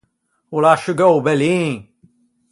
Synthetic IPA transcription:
wɛlaɪʃɨɡoʊbɛlĩn

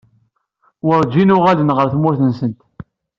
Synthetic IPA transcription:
wəɾˤd͡ʒinʊʁalənʁəɾθmʊɾθənsənt̪

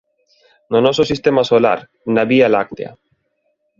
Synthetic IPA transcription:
nonɔsosist̪emasola̰ɾ | naβialak̚t̪ea̰

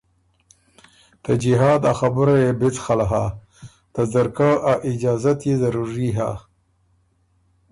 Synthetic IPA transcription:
t̪ad͡ʒiɦɑːd̪axabʊɾajebɪt͡sxalaɦa̰ | t̪azaɾkaʔaʔɪd͡ʒɑːzat̪jezaɾuɾiɦa̰

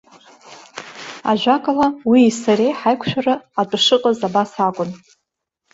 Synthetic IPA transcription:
a̰ʒʷᶣakʼalawiːsaɾejħajkʷʰʃᶣaraatʼʂɨqʼazabasakʷʼʊn

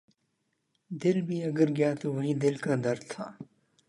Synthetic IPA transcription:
d̪ɪlbʱiːɐɡəɾɡɪjaːt̪oʋɐɦiːd̪ɪlkad̪ɐɾt̪ʰaː

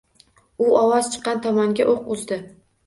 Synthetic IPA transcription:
ʊɒwɒz̥t͡ʃʰɨ̥qːɑnt̪ʰɒmaŋɡʲaʔoqʊzd̪ɪ

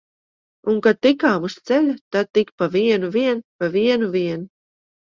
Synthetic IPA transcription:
uŋkad̪̚t̪ikaːmust̪sɛlʲut̪ad̪̚t̪ːikpaviɛnuviɛnpaviɛnuviɛnu

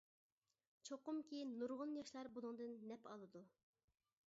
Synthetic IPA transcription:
t͡ʃʰoqʊmkʲejinːuɾʁʊnjɑʃlˠɑɾbolˠuŋd̪ɨnːɛpɑlˠɨd̪u

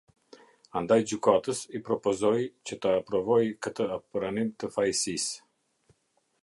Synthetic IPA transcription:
and̪ajd͡ʒykat̪əsipɾɔpɔzɔjt͡ɕət̪aːpɾɔvɔjkət̪əapɾanimt̪əfajsis

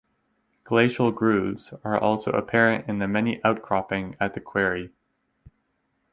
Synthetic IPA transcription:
ɡ̥leɪʃl̩ˠɡɹʉvz̥ə˞ʔɔlˠsoʊə̰pʰɛɹɨ̃ntɨ̃nðɨmɛniʔaʊt̚kʰɹ̥ɑpɪ̃ŋɨt̪̚ðɨkʰw̥ɛɹi

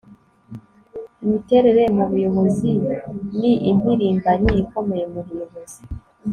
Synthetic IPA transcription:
imite̞ɾe̞ɾemuβujoβoziniʔimiɾiːmbanijiko̞me̞jemuβujoβozi

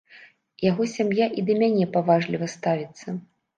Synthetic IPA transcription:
jaɣɔsʲamjaʔid̪ɐmʲanʲɛpavaʐlʲivɐst̪avʲit̪sːɐ

